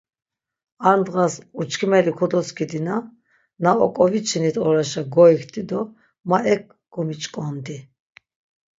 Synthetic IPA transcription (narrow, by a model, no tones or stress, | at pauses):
aɾnd̪ʁasut͡ʃʰkʰmɛlikʰɔd̪ɔskʰid̪ina | naɔ̰kʼɔvit͡ʃʰinit̪ʰɔɾaʃaɡɔikʰt̪ʰʼid̪ɔ | maʔɛk̚ | ɡ̥ɔmit͡ʃʼkʼɔnd̪i